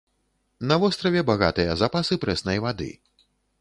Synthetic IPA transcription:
nɐvɔst̪ɾɐvʲɛbaɣa̰t̪ɨjɐzapasɨpɾɛsnɐjvad̪ɨ̰

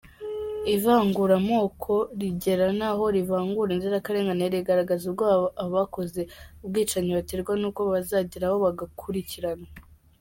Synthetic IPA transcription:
ivaːŋɡuɾamo̞ːkʰo̞ɾiɟe̞ɾanaɦo̞ɾivaːŋɡuɾanziɾakaɾe̞ːŋɡaneɾiɡaɾaɡazubɡaːβaoβako̞ze̞ubɡiːt͡ʃaɲiβateɾɡwanuːko̞βazaːɟiɾaho̞βaɡakʰuɾiciɾana

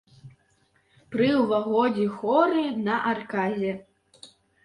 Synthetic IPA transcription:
pɾɨwvaɣɔd͡zʲixɔɾɨnɐʔarkazʲɛ

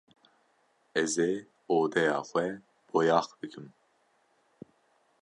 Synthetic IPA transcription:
ɛze | oːd̪ɛjɑːxʷɛ | b̥ojɑːxbɨkʰɨm

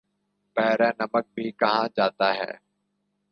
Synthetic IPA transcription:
pɛːɾɛ̃ːnəmək̚bʱiːkəɦãːd͡ʒaːt̪aːɦɛ̰ː

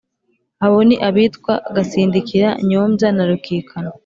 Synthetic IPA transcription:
haβoniʔaβiːtkwaɡasiːndikʰiɾa̰ɲoːmzanaɾukiːkʰano

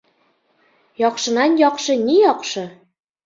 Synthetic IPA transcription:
jɑqʃɤ̆nɑnjɑqʃɤ̆nʲijɑqʃɤ̆

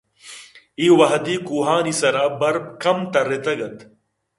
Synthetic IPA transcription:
iːwɐɦd̪iːkuːɦaːnisɐɾaːbɐɾb̚kɐmt̪ɐɾet̪ɐɡɐt̪

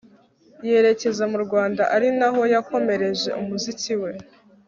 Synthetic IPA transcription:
je̞ɾe̞ce̞zamuɾɡwaːndaʔaɾinaɦo̞jako̞me̞ɾe̞ʒe̞̰umuziciwe̞

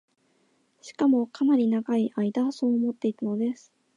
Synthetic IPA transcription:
ɕi̥kamo̞kanaɾʲinaɡaiʔaid̪aso̞ːmo̞t̪ːe̞it̪ano̞d̪e̞sɨ̥

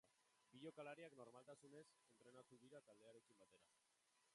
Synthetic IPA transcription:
biʎo̞kalaɾiakno̞ɾmalt̪asune̞se̞nt̪ɾe̞nat̪uðiɾat̪ald̪e̞aɾe̞kimbat̪e̞ɾa

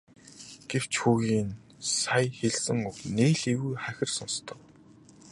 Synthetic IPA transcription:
ɡ̥ew̥t͡ɕxuːɣiːn | sajxeɮsɘ̆ŋʊxneːɮeɣujχæxʲɪ̆rsɔnst̪ʰɞ̆k̚

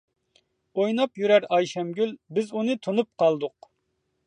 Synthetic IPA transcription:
ojnɑpjyɾæɾɑjʃɛmɡʲylbɪzunɨt̪ʰonup̚qʰɑlˠd̪ʊq

